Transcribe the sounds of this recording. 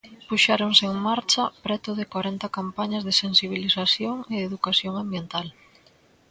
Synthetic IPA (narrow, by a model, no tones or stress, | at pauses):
puʃaɾoŋseeŋmaɾt͡ʃɐpɾɛt̪ʊðɪkwaɾɛnt̪akampaɲɐzðɪsensiβ̞iliθaθjoŋɪeðukaθjoŋambjent̪al